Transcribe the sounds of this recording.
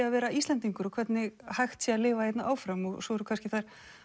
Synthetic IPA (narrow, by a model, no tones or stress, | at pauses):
avɛːɾaiːst̪lɛnt̪iŋkʏɾɔkʰvɛt̪nɪɣhajxt̪sialɪːvaejt̪naʔaːwfɾamɔɣsɔɛɾʏkʰanscɪθaɾ̥